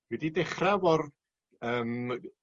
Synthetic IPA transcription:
wididɛχravɔr | əːm

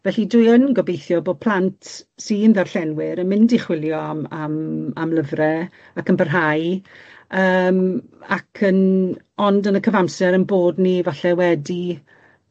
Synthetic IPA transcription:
vɛɬidʊjənɡɔbejθjɔboːd̚pʰl̥ˠantsinðarɬɛnwɪɾənmɪndiχwɪljɔamamamləvrɛ | akənbərɦaj | əːmakʰən | ɔndənəkʰəvamsɛɾənboːdnivaɬɛwɛdi

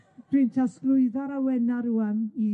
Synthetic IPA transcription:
d̥ɪntʰasklˠʊɨðaɾawɛnaɾuami

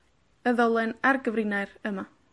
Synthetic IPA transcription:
əðɔlˠɛnarɡəvɾinajɾəma

